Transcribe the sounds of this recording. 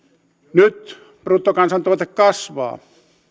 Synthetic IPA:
nyt̪ | pruːt̪ːokɑnsɑnt̪oʋɑt̪ekkɑsʋɑ̰ː

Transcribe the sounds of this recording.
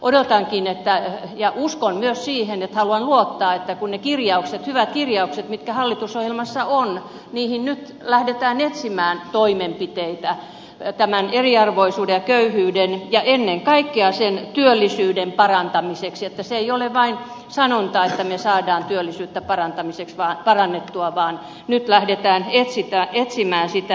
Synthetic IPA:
ʔodot̪ɑŋkinet̪ːæjɑʔuskonmyøssiːhenet̪hɑluɑnluot̪ːɑːet̪ːækunnekirjɑukset̪hyʋæt̪̚kirjɑukset̪mit̪kæhɑlːit̪usohjelmɑsːɑon | niːhinnyt̪ | læhdet̪æːnet̪simæːnt̪oimempit̪eit̪æ | t̪æmæneriɑrʋoisuːdejɑkøyhyːdenjɑʔenːeŋkɑikːeɑsent̪yølːisyːdempɑrɑnt̪ɑmisekset̪ːæseeioleʋʋɑin | sɑnont̪ɑet̪ːæmesɑːdɑːnt̪yølːisyːt̪ːæpɑrɑnt̪ɑmiseksʋɑːpɑrɑnːet̪ːuɑʋɑːn | nyt̪læhdet̪æːnet̪sit̪æet̪simæːnsit̪æ

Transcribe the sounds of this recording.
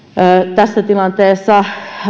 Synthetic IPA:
t̪æsːæt̪ilɑnt̪eːsːɑ

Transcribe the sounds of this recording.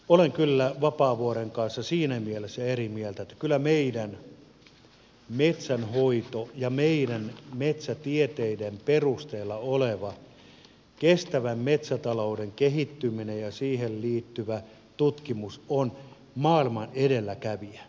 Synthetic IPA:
oleŋkylːæʋɑpɑːʋuoɾeŋkɑnsːɑsiːnæmielesːæerimielt̪æet̪ːæ̥kylːˑæmeidæn | met̪sænhoit̪ojɑmeidænmet̪sæt̪iet̪eidemperust̪eːlːɑoleʋɑ | kest̪æʋæmmet̪sæt̪ɑloudeŋkehit̪ːyminejjɑsiːhelliːt̪ːyʋæ | t̪ut̪kimuson | mɑːilmɑnedelːækæʋiæ

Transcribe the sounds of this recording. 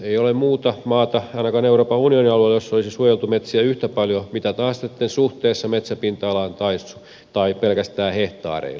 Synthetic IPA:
eiolemmuːt̪ɑmɑːt̪ɑɑinɑkɑːneuroːpɑunioniɑlueljosːolisisuojelt̪umet̪siæyht̪æpɑljomit̪æt̪ɑːssit̪ːensuht̪eːsːɑmet̪sæpint̪ɑːlɑːnt̪ɑisu | t̪ɑipelkæst̪æːheht̪ɑ̰ːrḛil

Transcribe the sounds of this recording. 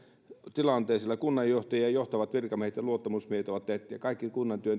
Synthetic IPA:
t̪ilɑnt̪eˑːsilːɑkunːɑjjoht̪ɑjiɑjoht̪ɑʋɑt̪ʋirkɑmiehet̪jɑluot̪ːɑmusmiehet̪oʋɑt̪teht̪ːˑyjɑkɑˑikːikunːɑnt̪yøn

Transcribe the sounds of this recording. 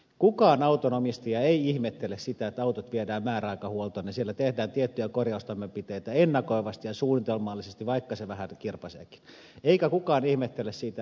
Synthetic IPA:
kukɑːnɑut̪onomist̪iɑeiihmet̪ːelːessit̪æet̪ːɑut̪ot̪ʋiedæːmmæːræɑˑikɑhuolt̪oːnesielːæt̪ehdæːnt̪iet̪ːyjækorjɑˑust̪ɑmːempit̪eˑit̪æenːɑkoiʋɑst̪ijɑsuːnit̪elmɑːlːisest̪iʋɑikːɑseʋæhænkirpɑsḛːki̥n | eikækukɑːnihmet̪ːelːˑessiːt̪æ

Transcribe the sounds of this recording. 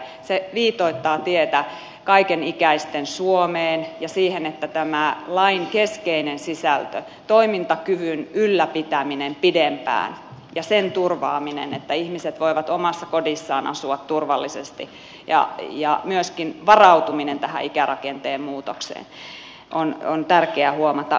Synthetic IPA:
seʋiːt̪oit̪ːɑːt̪iet̪æ | kɑikenikæist̪ensuomeːnjɑsiːhenet̪ːæt̪æmælɑiŋkeskeinensisælt̪ø̰ | t̪oimint̪ɑkyʋynylːæpit̪æminempidempæ̰ːn | jɑsent̪urʋɑ̰ːminḛnet̪ːæihmiset̪ʋoiʋɑt̪omɑsːɑkodisːɑːnʔɑ̰suɑt̪turʋɑlːisest̪i | jɑ̰jɑmyøskinʋɑrɑut̪uminent̪æhæ̰ikærɑkent̪eːmmuːt̪oksḛːn | ʔonont̪ærkeæhuomɑt̪ɑ

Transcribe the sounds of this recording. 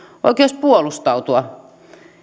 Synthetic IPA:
ʔo̰ikeˑs̚puolust̪ɑut̪uɑ

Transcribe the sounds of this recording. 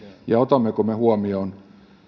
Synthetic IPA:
jɑot̪ɑmːekomehuomion

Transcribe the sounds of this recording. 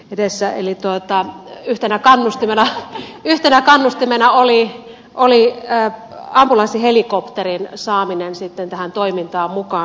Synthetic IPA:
edesːæḛlit̪uot̪ɑyht̪enækɑnːust̪imenɑyht̪enækɑnːust̪imenɑoli | ʔoliəː | ɑmpulɑsihelikopt̪erinsɑːminensit̪ːent̪æhænt̪oimint̪ɑːmmukɑː

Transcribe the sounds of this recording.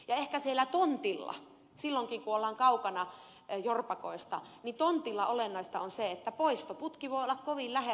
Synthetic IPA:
jɑehkæsielːˑæt̪ont̪ilːɑ̰ | silːoŋkiŋkuolːɑːŋkɑukɑnɑ | jorpɑko̰ist̪ɑ̰nit̪ont̪ilːɑʔolenːɑist̪ɑonseet̪ːæpoist̪oput̪kiʋoˑiolːɑkkoʋillæhe

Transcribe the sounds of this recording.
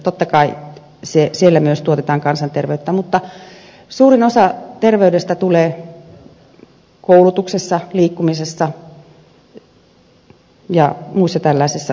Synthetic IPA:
t̪ot̪ːɑkɑi | sesielːæmyøst̪uot̪et̪ɑːŋkɑnsɑnt̪erʋeyt̪ːæmut̪ːɑ | suːrinosɑt̪erʋeydest̪æt̪uleː | koulut̪uksesːɑliːkːumisesːɑ | jɑmuisːɑt̪ælːɑˑisisːɑ

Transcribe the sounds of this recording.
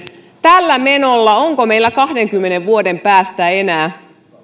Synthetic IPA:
t̪ælːæme̞nolːɑo̞ŋko̞me̞ilːækɑhde̞ŋkymːene̞ʋʋuode̞mpæːst̪æe̞næː

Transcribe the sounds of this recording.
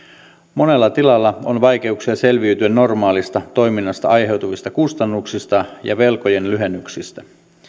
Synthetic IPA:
mo̞ne̞lːɑt̪ilɑlːɑo̞nʋɑjk̟e̞uksiɑse̞lʋiyt̪yænno̞rmɑːlist̪ɑt̪o̞jminːɑst̪ɑ̰ɑjɦe̞wt̪uʋist̪ɑkust̪ɑnːuksist̪ɑjɑ̰ʋe̞lkoje̞nlyɦenːyksist̪æ

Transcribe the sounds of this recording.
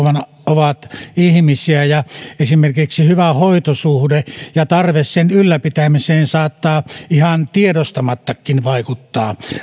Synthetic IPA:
ʋɑnʔoʋɑt̪ihmisiæjɑesimerkiksihyʋæhoˑit̪osuhdejɑt̪ɑrʋessenylːæpit̪æmiseːnsɑːt̪ːɑːihɑnt̪iedost̪ɑmɑt̪ːɑkːinʋɑˑikut̪ːɑː

